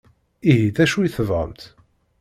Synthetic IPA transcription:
iɦiθæʃujiθəvʁə̰mt̪

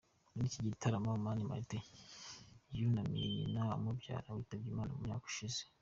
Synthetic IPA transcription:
niciɟitʰaɾamaumanima̰te | junamḭninamobja̰ːɾawiːtab̚ɡiːmaːna̰mumɲa̰ːku̥ʃize̥

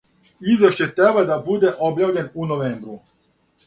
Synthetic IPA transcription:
izʋɛʃt͡ɕɛt̪ɾɛbad̪abud̪ɛʔobjawʎʲɛnunoʋɛmbɾu

